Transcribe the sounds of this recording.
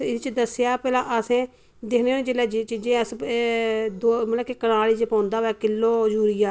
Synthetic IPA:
ɪt͡ʃd̪əsjaːpɛːlãːʔəsẽː | d̪ɪkʰnẽːõːd͡ʒelɛːd͡ʒt͡ʃid͡ʒeəs | d̪oːməaːkekənaːliːd͡ʒepãːnd̪aːʋɛːkɪlːoːd͡ʒuːɾɪjaː

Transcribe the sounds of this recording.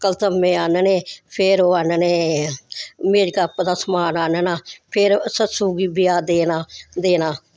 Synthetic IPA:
kəlt̪əmːẽːaːneneːpʰɪɾoːaːnːneː | meːd͡ʒkapd̪aːsəmaːnaːnenaːpʰɪɾsət̪suːɡiːbɪjaːd̪eːnaːd̪eːnaː

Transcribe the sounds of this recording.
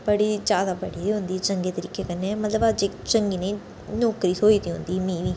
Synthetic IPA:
bəɽiːd͡ʒjaːd̪aːbəɽiːɦʊnd̪iːt͡ʃəŋɡeːt̪əɾiːkeːkənːeɛmət̪ləbad͡ʒekt͡ʃəŋɡiːnẽĩ | nɔːkɾiːsoːiːt̪iːɦʊ̰̃nd̪iːmiːʋiː

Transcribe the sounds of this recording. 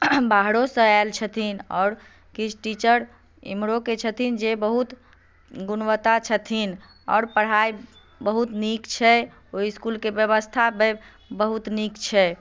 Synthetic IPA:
baɦɽosə̃ɛlt͡ʃʰət̪ʰinɔ̰ːɾ | kit͡ʃʰʈit͡ʃəɾ | ḭmɾoket͡ʃʰət̪ʰind͡ʒebəɦut̪ | ɡunʋət̪at͡ʃʰət̪ʰin | ɔ̰ːɾpəɽ̤ɦaj | bəɦut̪nikt͡ʃʰɛ | oiskulkebjəβəst̪ʰabe | bəɦut̪nikt͡ʃʰɛ

